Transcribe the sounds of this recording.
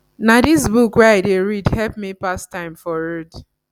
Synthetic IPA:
nadis̬bukwɛaɪdeɹidhɛlpmipastãɪ̃mfɔɹɛd

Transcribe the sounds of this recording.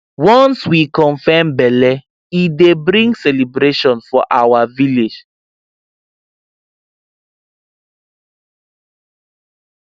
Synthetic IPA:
wɔ̃nswikɔ̃nfɛmbɛlɛ | idebɾĩŋɡsɛlibɾeʃɔ̃nfɔʔawaviled͡ʒ

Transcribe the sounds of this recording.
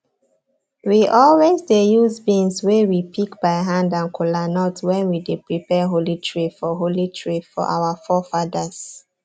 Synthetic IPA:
wiʔɔlwezdejuzbĩnswewipʰikbaɪɦãndãnkʰulanɔtwɛ̃nwidepɹipɛɦolitʰɹifɔɦolitʰɹifɔ̰ʔa̰wafɔfadas

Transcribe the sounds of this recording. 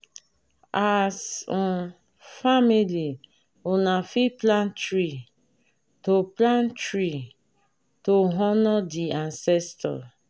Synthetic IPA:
as | famili | onafiplãntɾi | toplãntɾi | toɦɔnɔdiansɛstɔ̰

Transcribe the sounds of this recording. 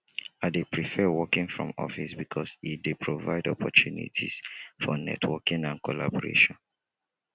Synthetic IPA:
adepɹifɛwɔkĩŋfɹɔ̰̃mɔ̰fisbikʰɔsidepʰɹovaɪdɔpʰɔtʰunḭtʰḭsfɔnɛ̰tʰwɔkĩŋãnkʰolabɔɹḛʃɔ̃n

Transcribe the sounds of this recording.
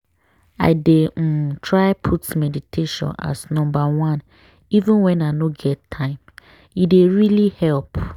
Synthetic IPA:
a̰ɪdetʰɹaɪpʰutmɛditʰeʃɔ̰̃na̰snɔ̃mbawãn | ivũnwɛ̃nanoɡɛtʰːãɪ̃m | ideɹilihɛlp

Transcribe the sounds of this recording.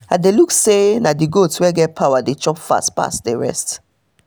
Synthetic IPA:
ãdeluksenadiɡotswɛɡɛt̚pʰaʊwadet͡ʃɔpfa̰stpa̰stdɛɹɛ̰st

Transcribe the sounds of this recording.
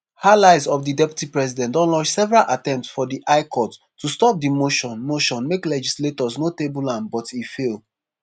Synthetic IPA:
halaɪzɔfdidɛpju̥tipɹɛsidɛ̃ntɔ̃nlɔ̃ʃsɛvɛɹalʔatɛ̃mptsfɔdiʔaɪkʰɔt | tːustɔp̚dimoʃɔ̃nmoʃɔ̃nmeklɛd͡ʒisletɔznotebulãnbɔtifelˠ

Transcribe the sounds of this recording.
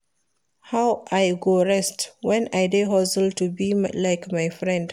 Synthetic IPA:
hawʔajɡoɹɛstwɛ̃najdeɦɔsəltubimlajkmajfɹɛ̃nd

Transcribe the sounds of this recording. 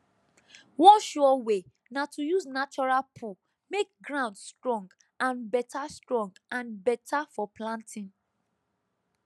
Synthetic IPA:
wɔ̃nʃɔwe | natujusnat͡ʃɔɹalpʰu | mek̚ɡɹãʊ̃ndstɹɔ̃ŋɡ | ãnbɛtastɹɔ̃ŋɡãnbɛtʰafɔplãntʰĩn

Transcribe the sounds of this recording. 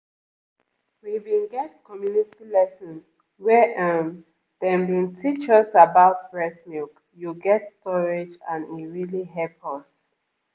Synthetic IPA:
wivĩnɡɛtkʰɔmjunitʰilɛsə̃n | wɛʔam | d̥ɛ̃mbĩntʰit͡ʃɔsabaʊtbɹɛtmuk | juɡɛtstɔɹed͡ʒãnĩɹiliɦɛpɔs

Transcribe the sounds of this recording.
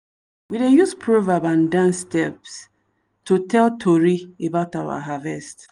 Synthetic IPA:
widejuspʰɹovabãndãnstɛps | tutʰɛltʰoɹiebaʊtawa̰ɦavɛst

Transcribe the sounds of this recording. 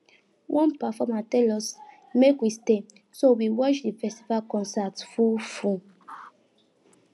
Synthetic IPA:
wʔɔ̃npafɔmatɛlɔs | mekwiste | sowiwɔʃdifɛstivalkɔ̃nsatfufũ

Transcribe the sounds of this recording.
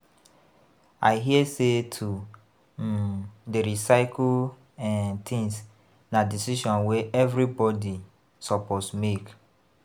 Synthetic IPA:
aɪɦiəsetʰu | deɹisaɪkʰ | ɛ̃nt̪ʰĩŋs | nadisiʃɔ̃nweʔɛvɹibɔdi | sɔposmek

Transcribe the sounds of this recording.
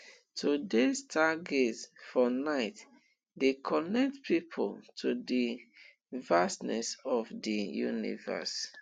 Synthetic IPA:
tʰudestʰaɡetsfɔnaɪt | dekʰɔnɛk̚tpʰipʰo̰ltʰudi | vastnɛ̰sɔvdijṵnḭvɛ̰s

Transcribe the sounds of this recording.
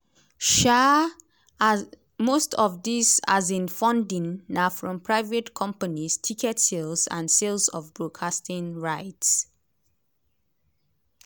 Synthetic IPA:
ʃa | mostʰɔvðisazĩnfɔ̃ndĩŋːafɹɔ̃mpʰɹaɪvetkʰɔ̃mpanistʰikʰɛtselzã̰nselsɔvbɹokʰastĩŋɹaɪts

